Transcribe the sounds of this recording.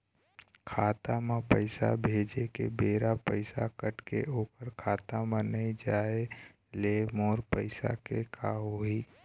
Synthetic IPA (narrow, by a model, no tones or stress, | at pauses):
kʰaːt̪amãpəɪsa̰bʱeːd͡ʒekḛbeːɾapəɪsakəʈkḛoːpəɾkʰaːt̪amə̃nəid͡ʒaːe | lemoːɾpəɪsa̰kekʰaɦoːiː